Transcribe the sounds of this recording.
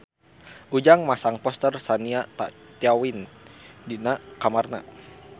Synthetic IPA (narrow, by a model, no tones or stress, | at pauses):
ʔud͡ʒaŋmasaŋpɔst̪ərsaniat̪a̰t̪jawindinakamarna̰